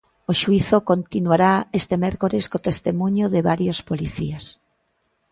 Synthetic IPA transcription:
oʃuiθokont̪inuwaɾaest̪emeɾkoɾeskot̪est̪emũɲoðeβaɾjospoliθḭas

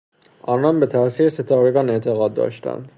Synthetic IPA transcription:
ʔɒːnɒnbe̞t̪ʰæʔsiːɾeset̪ʰɒːɾeɡɒːne̞ʔt̪ʰeɣɒːd̪̚ːɒ̰ːʃt̪æ̰nd̪̥

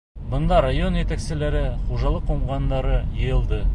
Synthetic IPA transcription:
bɤ̆nd̪ɑɾajo̞njæt̪æksɘ̆læɾɘχuʒɑlˠɤqːuɴʁɑnd̪ɑɾɤjɤ̆jɤ̆lˠd̪ɤ

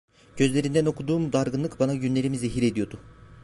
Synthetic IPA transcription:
ɟ̥ø̞zlʲe̞ɾind̪æno̞kʰud̪uːmud̪aɾɡɯnlˠɯkbanaɟynlʲe̞ɾimizeɦiɾe̞d̪ijo̞ɾd̪u

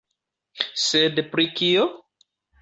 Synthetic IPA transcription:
sedpɾikio

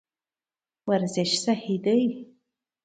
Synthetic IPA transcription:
warzeʃsaħidɨj

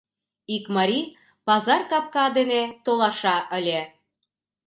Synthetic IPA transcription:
ikmɑɾʲi | pɑzɑrkɑp̚kɑd̪enet̪olɑʃɑʔə̆lʲe

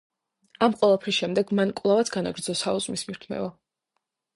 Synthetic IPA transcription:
amqʼwɛlˠapʰɾisʃɛmd̪ɛɡmankʼwvlˠavat̪sʰɡanaɡɾd̪zɔsauzmismiɾt̪ʰmɛ̰va

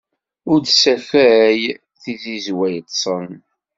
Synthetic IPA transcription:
ʊɾd̪sæfæɾæj | θizizwæjt̪ːsˤən

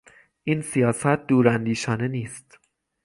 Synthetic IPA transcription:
ʔiːnsijɒːsæt̪̚d̪uːɾænd̪iːʃɒːne̞niːst̪

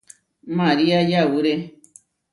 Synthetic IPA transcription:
mãɾiajawuɾe

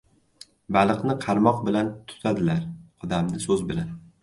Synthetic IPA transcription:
balˠɨqnɪqʰɑɾmɒq̚bɪlant̪ʰʊ̥t̪ʰad̪ɪlaɾɒd̪amnɪsɵzbɪlan

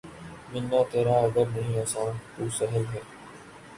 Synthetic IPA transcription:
mɪnːaːt̪eːɾaːəɡ̪əɾnəɦĩːoːsãːt̪uːsəɦəlɦɛː

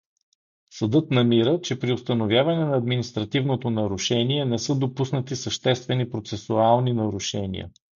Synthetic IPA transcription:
sɐd̪ɤt̪nɐmiɾət͡ʃɛpɾiʊst̪ənovʲjavɐnɛnɐːd̪minist̪ɾɐt̪ivnot̪onɐɾuʃɛniɛnɛsɤd̪opusnət̪isəʃt̪ɛst̪vɛnipɾot̪sɛsualˠninɐɾuʃɛnḭə̰

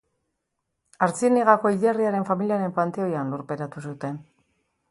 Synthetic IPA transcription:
aɾt͡siniɣako̞iðiariaɾe̞ɱfamiliaɾe̞mpant̪eo̞janloɾpe̞ɾat̪usut̪e̞n

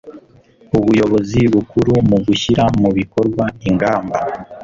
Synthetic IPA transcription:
uβujo̞βo̞ziβukuɾumuɡuçiɾamuβiko̞ɾɡwaiŋɡaːmba

